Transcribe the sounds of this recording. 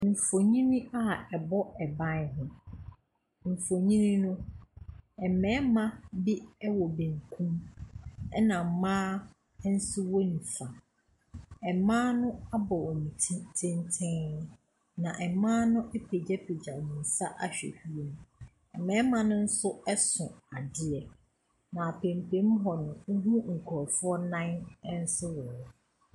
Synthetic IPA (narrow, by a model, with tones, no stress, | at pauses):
m̩˨fo˨ɲĩ˦mĩ˦a˦˨ɛ˨bɔ˦ɛ˨bã˦n˦ɦʊ̃˦ | m̩˨fo˨ɲĩ˦nĩ˦nʊ̃˦ | ɛ˨mɛ̃˦mã˦bi˦ɛ˦wɔ˨bẽ˨ŋ˨kʰũ˦m | ɛ˦nã˨m̩˨mãː˦ | n̩˦sʊ˦wo˦nĩ˨fa˨ | ɛ˨mãː˦nʊ̃˦a˦bɔ˨wɔ˨nĩ˨tʰtʰɪ̃˦ntʰɪ̃˦ | nã˨ʔɛ˨mãː˦nʊ̃˦ʔɛ˦pʰe˨d͡ʑɛ˦pʰi˨d͡ʑa˨mĩ˨n̩˨sa˦ʔa˨ɕᶣɛ̰˨hu˦e˨˦nũ˨ | ɛ̰˨mã˦mã˨nʊ̃˦n̩˦sʊ˦ɛ˦sʊ̃˨a˨dɪ˦ɛ˨ | nã˨a˨pʰẽ˨mpʰẽ˨˦m̩˦ɦɔ˨nʊ̃˨ŋ̩˦ɦũ˦ŋ̩˨kʰɔ˨fʊ˦ɔ˦nã˦n˦n̩˦sɪ˦wɔ˨wɔ˨